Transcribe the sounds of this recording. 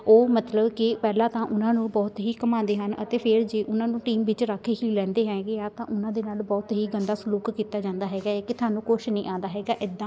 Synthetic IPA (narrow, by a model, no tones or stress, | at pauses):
oːmət̪ləbkɪpɛːlãːt̪ãːʔʊnãːnũːbɔːt̪ɦiːkəmãːnd̪eːɦənə̰t̪eːpʰɪɾd͡ʒeːʔʊnãːnũːʈiːmʋɪt͡ʃɾakʰːeɦiːlɛ̃ːnd̪eːɦɛːɡeːaːt̪ãːʔʊnãːd̪eːnaːlbɔːt̪ɦiːɡənd̪aːsʊluːkkiːt̪aːd͡ʒãːnd̪aːɦɛːɡaːeːkɪt̪ʰʊaːnũːkoʃnĩːʔãːnd̪aːɦɛːɡaːʔɪd̪ːãː